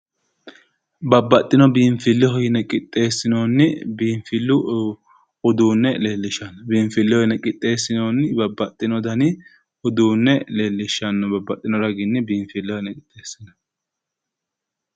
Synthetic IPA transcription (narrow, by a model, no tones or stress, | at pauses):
bɐbːɐt̪ʼːɪnɔbiːɱfɪlːɪɦɔjɪnɛkʼɪt̪ʼːe̞ːsːɪno̞ːnːɪbiːɱfɪlːʊ | ʊd̪uːnːɛle̞ːlːɪʃːɐnbiːɱfɪlːɛhɔjɪnɛkʼɪt̪ʼːe̞ːsːɪno̞ːnɪbɐbːɐt̪ʼːɪnɔd̪ɐnɪ | ʊd̪uːnːɛle̞ːlːɪʃːɐnːɔbɐbːɐt̪ʼːɪnɔɾɐɡɪnːɪbiːɱfɪlːɛhɔjnɛkʼɪt̪ʼːeːsːɪnɐ̥